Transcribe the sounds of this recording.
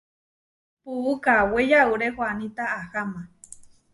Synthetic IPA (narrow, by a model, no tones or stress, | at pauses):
puukawejauɾehwanit̪aːhamã